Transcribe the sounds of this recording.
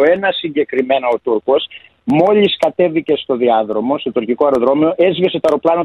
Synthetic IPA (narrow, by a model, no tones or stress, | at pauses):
oenɐsiɲɟe̞kɾime̞nɐot̪uɾko̞s | mo̞ʎiskɐt̪e̞vice̞st̪o̞ðiɐðɾo̞mo̞st̪o̞t̪uɾciko̞eɾoðɾo̞mio̞ʔezveset̪oɐɾoplɐno